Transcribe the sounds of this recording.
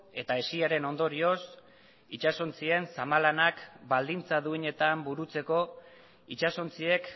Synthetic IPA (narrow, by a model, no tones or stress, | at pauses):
e̞t̪ae̞siaɾe̞no̞nd̪o̞ɾio̞s | it͡ʃaso̞nt͡sie̞nsamalanakbald̪int͡saðuiɲe̞t̪ambuɾut͡se̞ko̞ | it͡ʃaso̞nt͡sie̞k